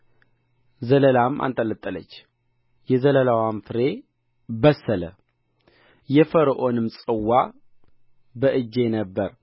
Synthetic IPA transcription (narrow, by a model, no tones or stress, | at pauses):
zələlamʔa̰nt̪ʼələt̪ʼːələ̰t͡ʃː | jɛzələlawamfɨɾe̞ | bəsːələ̰ | jɛfəɾʔo̞nɨmsʼɨwːa | bəʔɨd͡ʒːe̞nəbːəɾ